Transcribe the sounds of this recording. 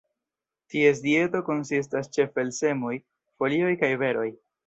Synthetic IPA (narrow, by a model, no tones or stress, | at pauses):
tie̞s̬die̞to̞ko̞nsis̬tast͡ʃe̞fe̞lse̞mo̞j | fo̞lio̞jkajve̞ɾo̞j